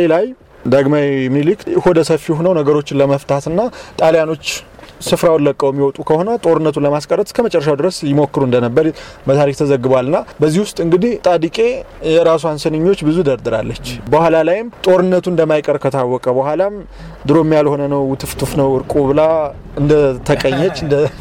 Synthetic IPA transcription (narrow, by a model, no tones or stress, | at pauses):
elaj | d̪aɡmajmilikɨhod̪əsəfijɛɦunəwnəɡəɾo̞t͡ʃːɪnləməft̪ʰat̪ɨnːat̪ʼaljano̞t͡ʃː | sɨfɾawlːəkʼːəwjɛmːiwɔt̪ʼukʰəho̞nət̪ʼo̞ɾɨnːət̪ʰunləmaskʼəɾət̪kʰəmət͡ʃʼɛrːəʃawd̪ɨɾəsjɪmo̞kːɨɾuɨnd̪ənəbːəɾbət̪ʰaɾikt̪ʰəzəɡːɨbalːɨnːabəzːihwʊst̪ʼɨŋɡɨd̪iht̪ʼad̪ikʼe̞jɛɾasuansɨnɨɲːo̞t͡ʃːbɨzud̪əɾd̪ɨɾa̰lːət͡ʃːbəhʷalalajɪmt̪ʼo̞ɾɨnːət̪ʰuɨnd̪əmːajkʼəɾkʰət̪ʰawːɔkʼəbəhʷalam | d̪ɨɾo̞mːijalho̞nənəwt̪ʰɨft̪ʰɨfnəwɨɾkʼoβɨla | ɨnd̪ət̪ʰəkʼəɲːɛt͡ʃːɨnd̪ə